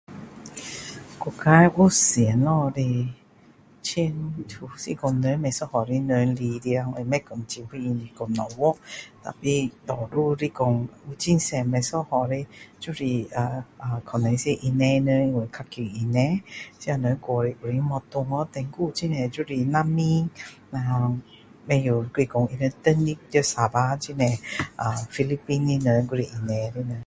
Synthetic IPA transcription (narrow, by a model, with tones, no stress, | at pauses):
ko˨ka˧˦jʔo˥˦˨si˨˦nlɔ˧ɾi˧ | t͡ɕʰi˧nt̪ʰu˨˧˩sḭ˧˨kɔ˧˩ŋnə˧˦mɛ˧sɔ˦˧hɔ˨ɾi˧˦nə˧˦nli˧ɾi˧a˧ŋe˧˨mɛ˦˧kɔ˨ŋt͡ɕi˧nhi˧i˧ni˧kɔ˨˧ŋnɔ˨˩wɔ˦t̪a̰˨pi˧t̪ɔ˨ɾu˧ɾi˧˨kɔ˧ŋu˧˦t͡ɕi˧˨nsɛ˧˨mɛ˧sɔ˥˦hɔ˨ɾi˧t͡ɕu˦˧ɾi˧˩a˨˩a˨kʰɔ˨˩nɛ̃˨˦se˧˦ʔi˧nɛ̃˧nə˧˦i˧we˨kʰa˧ki˧˨ʔi˧˨nɛ̃˧˦t͡ɕi˧˦a˨˧nə˨˧ɡwɔ˨ɾi˧˨ʔu˨ɾi˧˦mɔ˧t̪ʊ˧ŋɔ˧˦t̪ɛ̃˧ŋɡu˧˦t͡ɕi˧nɛ̃˨d͡ʒu˦ɾi˧˩na˧mi˦na˧ | mɛ̃˧ju˨˩kwi˧˨kɔ˨˧ŋʔi˧nə˧t̪ə˧ni˧k̚t̪ə˧˩sa˨ba˧˦t͡ɕi˧nɛ̃˨˩ʔa˨˩fi˧li˦pi˧nːi˧nə˧ɡu˧ɾi˧˨ʔi˧nɛ˧ɾi˧nə˧˦